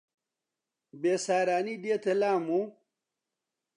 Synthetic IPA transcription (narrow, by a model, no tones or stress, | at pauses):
beːsaːɾaːnid̪eːt̪ʰɐlaːmu